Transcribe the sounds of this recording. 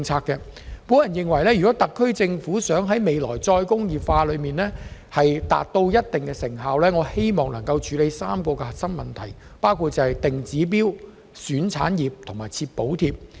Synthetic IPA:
ŋt͡sʰaː˧kːɛ˧ | pu˨˥njɐ˨˩njɪ˨ŋwɐ˨˩jlɛː˥jy˨kɔː˨˥t̪ɐ˨kʰːɵ˥ɥt͡sɪ˧ŋfuː˨˥sœː˨˥ŋɦɐ˨˥jme˨˧jlɔː˨˩jt͡sɔː˧jkʊ˥ŋjiː˨˩pfaː˧lɵ˨˧miː˨nlɛː˥hɐ˨jt̪a̰ː˨t̚t̪o˧wjɐ˥t̚t̪ɪ˨˩ŋkɛ˧sɪ˨˩ŋɦaː˨wlɛː˥ŋɔː˨˧he˥jmɔː˨˩ŋnɐ̰˨˩ŋkɐ˧wt͡ʃʰyː˨˥le˨˧jsaː˥mkɔː˧kɛ˧hɐ˨tsɐ˥nmɐ˨˩nt̪ʰɐ˨˩j | paː˥wkʰuː˨˧t̚t͡sɐ˨hɐ˨˩jt̪ɪ˨ŋt͡siː˨˥p̬iː˥w | syː˨˥nt͡sʰaː˨˥njiː˨p̚t̪ʰʊ˨˩ŋmaː˨˩jt͡sʰiː˧t̚po˨˥wt̪ʰiː˧p̚

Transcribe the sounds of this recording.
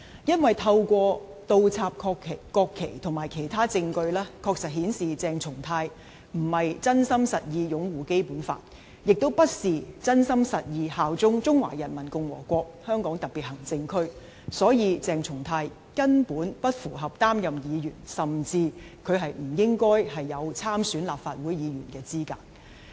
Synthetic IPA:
jɐ˥nwɐ˨jt̪ʰɐ˧wkʷɔː˧ | t̪o˧wt͡sʰaː˧p̚kʰɔː˧kʰe˨kɔː˧kʰːe˨˩jt̪ʰʊ˨˩ŋmaː˨˩jkʰe˨˩jt̪ʰaː˥t͡sɪ˧ŋkɵ˧ɥlɛː˥kʰɔː˧k̚sɐ˨t̚hiː˨˥nsiː˨t͡sɛː˨˧ŋt͡sʰʊ˨˩ŋt̪ʰaː˧j | m̩˨˩hɐ˨jt͡sɐ˥nsɐ˥msɐ˨t̚jiː˧jʊ˨˥ŋwuː˨ke˥jpuː˨˥nfa̰ː˧t̚ | jɪ˨k̚t̪o˥wpɐ˥t̚siː˨t͡sɐ˥nsɐ˥msɐ˨t̚jiː˧haː˨wt͡sʊ˥ŋt͡sʊ˥ŋwa̰ː˨˩jɐ˨˩nmɐ˨˩nkʊ˧ŋwɔ̰ː˨˩kʷɔː˧k̚hœː˥ŋkɔː˨˥ŋt̪ɐ˨k̚pːiː˨t̚hɐ˨˩ŋt͡sɪ˧ŋkʰɵ˥ɥ | sɔː˨˥jiː˨˧t͡sɛː˨˧ŋt͡sʰʊ˨˩ŋt̪ʰaː˧j | kɐ˥npuː˨˥npɐ˥t̚fuː˨˩ɦɐ˨p̚t̪aː˥mjɐ˨mjiː˨˧jyː˨˩nsɐ˨˩mt͡siː˧kʰɵ˨˧ɥɦɐ˨jm̩˨˩jɪ˥ŋkɔː˥jhɐ˨jːɐ˨˧wt͡sʰaː˥msyː˨˥nlaː˨p̚faː˧t̚wuː˨˥jjiː˨˧jy̰ː˨˩nkɛː˧t͡siː˥ka̰ː˧t̚

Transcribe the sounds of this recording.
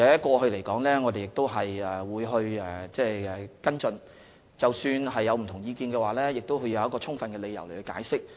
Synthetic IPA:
ɛ˨˥ɐ˥kɔː˧hɵ˧ɥle˨˩jkɔː˨˥ŋlɛː˥ŋɔː˨˧d̪e˨jɪ˨k̚t̪o˥wɦɐ˨jɛ˨˩wuː˨˧jɦɵ˧ɥɛː˨˩t͡sɛː˥˩ɛ˨kɐ˥nt͡sɵ˧n | t͡sɐ˨wsyː˧nɦɐ˨jːɐ˨˧wm̩˨˩t̪ʰʊ˨˩ŋjiː˧kiː˧nkɛː˧waː˨˩lɛː˥jɪ˨k̚t̪o˥wɦɵ˧jɐ˨˧wjɐ˥kɔː˧t͡sʰʊ˥ŋfɐ˨˧nkɛː˧le˨˧jɐ˨˩wle˨˩hɵ˧ka̰ː˨˥jsɪ˥k̚

